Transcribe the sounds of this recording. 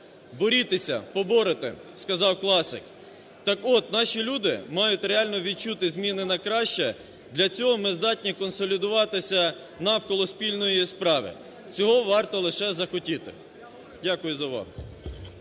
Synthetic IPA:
bɔɾʲit̪esʲɐ̰pɔbɔɾɪt̪ɪ̰skɐzɑwklˠɑsɪ̰k | t̪ɑkɔt̪nɑʃilʲud̪ɪ̰mɑjʊtʲɾeɑlʲnɔʋʲid̪̚t͡ʃut̪ɪzʲmʲinɪnɐkɾɑʃt͡ʃɛ | d̪lʲɐt͡sʲɔɦɔmɪzd̪ɑt̚ʲnʲikɔnsɔlʲid̪ʊʋɑt̪ɪsʲɐ | nɐwkɔlˠɔspʲilʲnɔjispɾɑʋɪ̰ | t͡sʲɔɦɔʋɑrt̪ɔlˠɪʃɛzɐxɔtʲit̪ɪ̰ | dʲakʊjʊzɐʋɑ̰ɦʊ

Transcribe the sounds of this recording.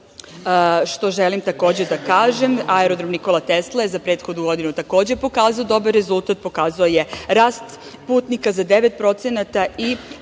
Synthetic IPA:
ʃt̪o̞ʒelimt̪ako̞ːd͡ʑe̞d̪akaːʒemaeɾod̪ɾomniko̞lˠat̪eslajezapɾe̞ːt̪xo̞d̪nuɡo̞d̪inut̪ako̞ːd͡ʑepo̞kaːzaod̪o̞baɾːezulˠt̪at̪̚po̞kaːzaoje̞ɾaːst̪ | puːt̪nikazad̪e̞ʋet̪̚pɾo̞t̪senat̪ai

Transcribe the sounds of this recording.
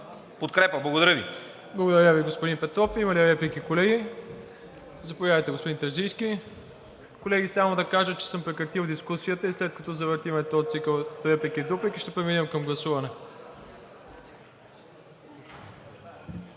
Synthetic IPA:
pot̪̚kɾɛpəblˠɐɡod̪ɐɾəvḭ | blˠɐɡod̪ɐɾəviɡospʊd̪inpɛt̪ɾɔfimɐliɾɛplikikolɛɡi | zɐpovjavɐjt̪ɛɡospʊd̪int̪ɐɾzijski | kolɛɡisamod̪ɐkaʒət̪̚t͡ʃɛ̥sɤmpɾɛkɾɐt̪ilˠd̪iskusijət̪əislɛt̪̚kɐt̪ɔzɐvəɾt̪imɛt̪ɔt̪sikəlˠt̪ɾɛplikid̪uplikiʃt̪ɛpɾɛminəmkɐmɡlˠɐsuvɐnɛ

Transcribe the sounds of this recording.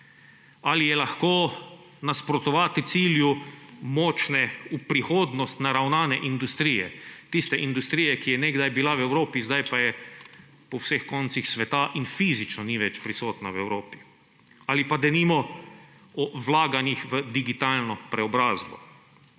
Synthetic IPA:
alijɛlaxkoː | naspɾɔt̪ɔʋaːt̪it̪siːljumɔt͡ʃnɛupɾixoːd̪nɔst̪naɾawnaːnɛʔind̪ust̪ɾiːjɛ̰t̪ist̪ɛʔind̪ust̪ɾijɛkijɛnɛɡd̪ajbilawɛwɾoːpizd̪ajpajɛ | pɔwsexkɔnt̪sixsʋɛt̪aʔinfizit͡ʃnɔniʋɛt͡ʃpɾisoːt̪nawɛwɾoːpi̥ | alipad̪ɛnimɔ | ɔʋlaːɡanixʋəd̪iɡit̪aːlnɔpɾɛɔbɾaːzbɔ̰

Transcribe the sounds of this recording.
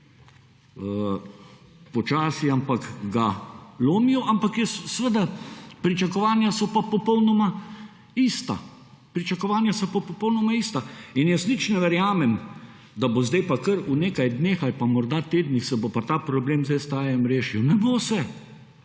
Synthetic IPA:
ə | pɔt͡ʃaːsiampakɡaloːmiɔʔampakjəsːʋəd̪apɾit͡ʃakɔʋaːnjasɔpapɔpɔwnɔma | ist̪a̰ | pɾit͡ʃakɔʋaːnjasɔpapɔpɔwnɔmaist̪ainjəsnit͡ʃnɛʋɛɾjaːmɛm | d̪abozd̪ɛjpakəɾuneːkajd̪neːxalpamɔɾd̪at̪eːd̪nixsɛbopat̪aːpɾɔbleːmzd̪ɛjst̪aːjɛmɾeːʃiwnɛbosɛ

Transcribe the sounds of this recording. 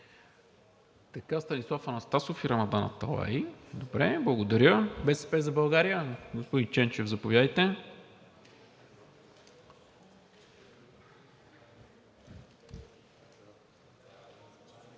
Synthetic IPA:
t̪ɐkast̪ɐnislˠafɐnɐst̪asofiɾɐmɐd̪anɐ̰t̪ɐ̰lˠa̰id̪obɾɛblˠɐɡod̪ɐɾʲəbɛsɛ̥pɛzɐbɐlˠɡaɾijəɡospod̪int͡ʃɛnt͡ʃɛvzɐpovʲjad̪əjt̪ɛ

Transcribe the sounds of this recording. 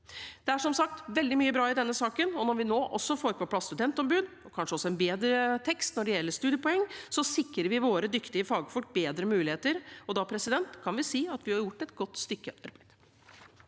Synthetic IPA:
d̪̥ɛæʂɔmsɑk̚t̪ʋɛld̪ɪmyːəbɾɑːɪd̪ɛnːəsɑːkənɔnɔɾʋɪnoːʔɔsːɔfoːɾpʰɔpʰlɑst̪ʉd̪ɛnt̪ɔmbʉːd̪ | ɔkʰɑnʂəɔsːɔɛnbeːd̪ɾət̪ʰɛkst̪nɔɖɛjɛlːəʂt̪ʉːd̪jəpʰɔɛŋːsɔsɪkɾəɾʋɪʋoːɾəd̪ʏkt̪ɪəfɑːɡəfɔʈ̚beːd̪ɾəmʉːlɪheːt̪əɾɔd̪ɑːpʰɾɛsɪd̪ɛnt̪kʰɑnʋɪsiːɑt̪ʋɪhɑɾjʊʈːɛt̪ɡɔt̪ːst̪ʏkːəʔɑɾbæɪd̪

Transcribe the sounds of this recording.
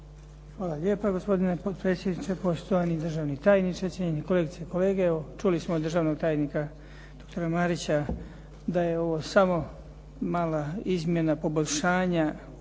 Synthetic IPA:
xʋaːlaʎʲeːpaɡo̞spo̞d̪inepot̪̚pɾe̞ːt̪sʲjed̪nit͡ʃepo̞st̪ojanid̪rʒaʋnit̪aːjnit͡ʃet͡ɕeɲeneko̞leɡit̪ekole̞ːɡeot͡ʃulismod̪ɾrʒaːʋnoɡ̚t̪aːjnika | d̪̥o̞k̚t̪o̞ɾamaɾit͡ɕa | d̪ajeo̞ʋo̞samo̞ | maːlaizmje̞napo̞boʎʲʃaːɲa

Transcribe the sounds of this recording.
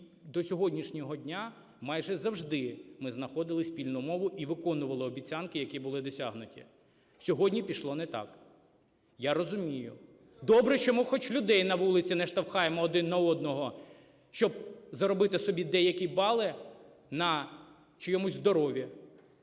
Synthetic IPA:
d̪ɔsʲɔɦɔdʲnʲiʃnʲɔɦɔdʲnʲa | mɑjʒɛzɐwʒd̪ɪmɪznɐxɔd̪ɪlˠɪsʲpʲilʲnʊmɔʋʊʔiʋɪkɔnʊʋɐlˠɪɔbʲit͡sʲːankɪjɐkʲibʊlˠɪd̪ɔsʲaɦnʊtʲḭ | sʲɔɦɔdʲnʲipʲiʃlˠɔnɛt̪ɑ̰k | jaɾɔzʊmʲijʊ | d̪ɔbɾɛʃt͡ʃɔmʊxɔt͡ʃlʲʊd̪ɛjnɐʋulˠɪt͡sʲinɛʃt̪ɐwxɑjemɔːd̪ɪnːɐɔd̪nɔɦɔ | ʃt͡ʃɔb̚zɐɾɔbɪt̪ɪsɔbʲid̪ɛjɐkʲibɑlˠɪ | nɐ | t͡ʃɪjɔmuzʲzd̪ɔɾɔʋʲi

